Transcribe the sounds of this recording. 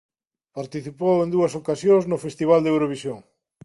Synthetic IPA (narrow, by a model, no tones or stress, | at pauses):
paɾt̪iθipowẽnd̪uɐsokasjoŋznʊfest̪iβ̞ald̪ewɾoβ̞isjoŋ